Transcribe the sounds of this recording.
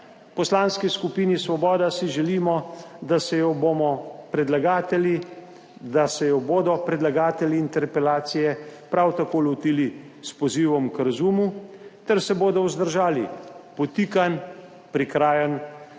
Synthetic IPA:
pɔslaːnskiskupiːnisʋɔbɔːd̪asiʒɛliːmɔd̪asɛjɔbomɔpɾɛd̪laɡat̪ɛli | d̪asɛjɔboːd̪ɔpɾɛd̪laɡaːt̪ɛlʲiːnt̪ɛɾpɛlaːt̪sijɛpɾawt̪akoːlɔt̪iːli | spɔziːʋɔmkɾazuːmut̪ɛɾsɛboːd̪ɔwzd̪əɾʒaːlḭpɔt̪iːkan | pɾikɾaːjən

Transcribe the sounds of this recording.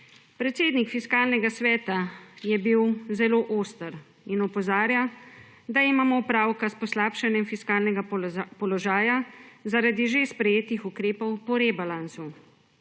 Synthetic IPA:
pɾɛt̪seːd̪nikfiskaːlnɛɡasʋɛːt̪ajɛbiwzɛloːʔoːst̪əɾ | inɔpɔzaːɾja | d̪aimaːmɔupɾaːwkaspɔslaːpʃanjɛmfiskaːlnɛɡapɔlɔʒaːjazaɾad̪iʒespɾɛjeːt̪ixukɾeːpɔwpɔɾebalansu

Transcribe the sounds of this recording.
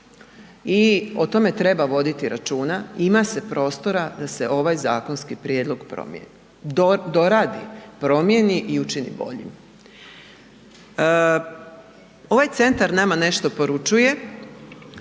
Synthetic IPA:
io̞t̪o̞me̞t̪ɾe̞baʋo̞d̪it̪iɾat͡ʃuːnaimase̞pɾo̞ːst̪o̞ɾad̪ase̞ʔo̞ʋajza̰ːkonskipɾjeːd̪lˠo̞ɡpɾo̰ | d̪o̞ɾaːd̪ipɾo̞mje̞niʔiut͡ʃinḭbo̞̰ʎḭm | o̞ʋajt̪se̞nt̪aɾnamane̞ʃt̪o̞po̞ɾut͡ʃuje̞

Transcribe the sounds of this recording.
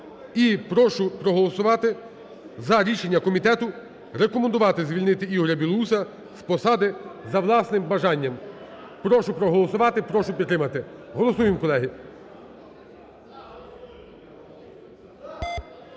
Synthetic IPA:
ipɾɔʃʊpɾɔɦɔlˠɔsʊʋɑt̪ɪ | zɐɾʲiʃenʲːɐkɔmʲit̪ɛt̪ʊ | ɾekɔmend̪ʊʋɑt̪ɪzʲʋʲilʲnɪt̪ɪiɦɔɾʲɐbʲilˠusɐ | spɔsɑd̪ɪzɐʋlˠɑsnɪmbɐʒɑnʲːɐm | pɾɔʃʊpɾɔɦɔlˠɔsʊʋɑt̪ɪpɾɔʃʊpʲidt̪ːɾɪmɐt̪ɪɦɔlˠɔsujɪmkɔlˠɛɦi

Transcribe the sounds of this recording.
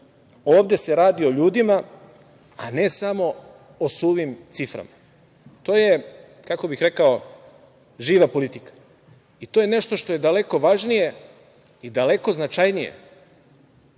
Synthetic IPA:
o̞ːʋd̪e̞se̞ɾaːd̪io̞ʎuːd̪ima | ane̞samo̞ | osuːʋimt̪sifɾa̰ma | t̪o̞ːje̞ | kako̞bixɾe̞kao̞ | ʒiːʋapo̞lit̪ikḁ | it̪oje̞ne̞ʃt̪o̞ʃt̪o̞je̞d̪ale̞ko̞ʋaʒnije̞ | id̪ale̞ko̞znat͡ʃajnijḛ

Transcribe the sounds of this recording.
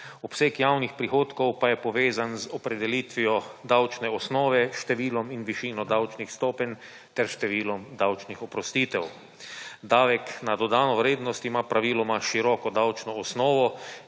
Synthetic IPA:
ɔpsekjaːwnixpɾixoːt̪kɔwpajɛpɔʋeːzanzɔpɾɛd̪ɛliːt̪ʋijɔd̪awt͡ʃnɛɔsnɔːʋɛʃt̪ɛʋiːlɔminʋiʃiːnɔd̪awt͡ʃnixst̪ɔːpɛnʲ | t̪ɛɾʃt̪ɛʋiːlɔmd̪awt͡ʃnixɔpɾɔst̪iːt̪ɛw | d̪aːʋɛknad̪ɔd̪aːnɔʋɾeːd̪nɔst̪imapɾaʋiːlɔmaʃiɾɔːkɔd̪awt͡ʃnɔːsnɔːʋɔ

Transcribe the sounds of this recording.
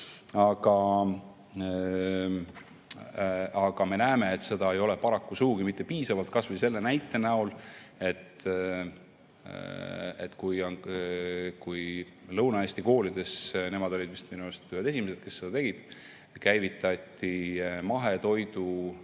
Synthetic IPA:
ɑɡ̥ɑ | ɑɡ̥ɑme̞næeme̞ːt̪se̞d̪ɑe̞jo̞le̞pɑɾɑkːusuɡuɡimit̪ːe̞piːsɑvɑlt̪̚kɑsvɨjse̞lːe̞næjt̪ːˑe̞næule̞t̪ | et̪ːkuj | kuj | lɤwnɑesʲt̪iko̞ːlid̪̥e̞sne̞mɑd̪o̞lʲid̪vist̪minust̪yhed̪esimese̞d̪̥ke̞sːe̞d̪ɑt̪e̞ɡid̪̥ | kæjvit̪ˑːɑt̪ːˑimɑɦe̞t̪o̞jd̪̥u

